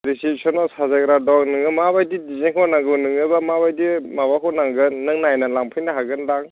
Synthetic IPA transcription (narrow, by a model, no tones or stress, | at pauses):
ɾisipsʰɔnɔsazaɡɾadɔknɯŋɯmaβajdidizeŋkʰɔwnaŋɡɯnɯŋɯbamaβajdimaβakʰɔnaŋɡɯnːɯŋnajnalaŋpʰɯjnaɦaɡɯnlaŋ